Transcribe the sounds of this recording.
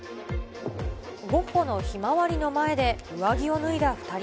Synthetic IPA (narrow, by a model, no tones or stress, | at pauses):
ɡo̞hono̞çimaβaɾʲino̞mae̞d̪e̞ɯ̟aɡʲio̞nɯ̟id̪aɸɯ̥t̪aɾʲ